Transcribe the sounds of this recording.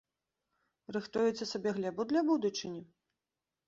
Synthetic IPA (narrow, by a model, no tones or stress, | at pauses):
rɨxt̪ujut̪sʲːɐsabʲɛɣlʲɛbud̪lʲɐbud̪ut͡ʂɨnʲi